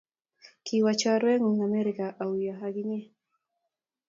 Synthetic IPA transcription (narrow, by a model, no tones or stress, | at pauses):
kiwat͡ʃaɾwɛŋuŋamɛɾikaʔawjaɦaɡiɲɛ